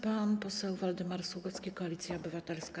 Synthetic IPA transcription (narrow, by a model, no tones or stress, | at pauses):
panpɔsɛwvɔld̪ɘmaɾsuɡɔt̪skʲejkɔalʲit̪sʲjaɔbɘvat̪ɛlska